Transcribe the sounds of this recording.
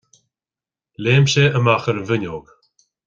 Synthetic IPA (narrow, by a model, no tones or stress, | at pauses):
leːmʃeʔəmaxəɾənvɪnʲoːɡ